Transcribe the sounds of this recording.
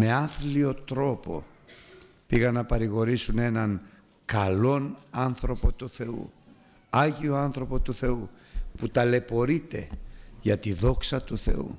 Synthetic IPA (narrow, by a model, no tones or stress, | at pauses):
me̞ɐθlio̞t̪ɾo̞po̞̰ | piɣɐnːɐpɐɾiɣo̞ɾisune̞nɐŋ | kɐlo̞nɐnθɾo̞po̞t̪uθe̞ṵ | ɐʝio̞ɐnθɾo̞po̞t̪uθe̞uput̪ɐle̞po̞ɾit̪e̞̰ʝɐt̪iðo̞ksɐt̪uθe̞̰ṵ